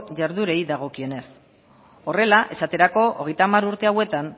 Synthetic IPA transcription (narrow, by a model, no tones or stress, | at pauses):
ʝaɾðuɾe̞jðaɣ̞o̞kie̞ne̞s | o̞re̞laʔe̞sat̪e̞ɾako̞ʔo̰ɣe̞jt̪amaɾuɾt̪e̞awe̞t̪an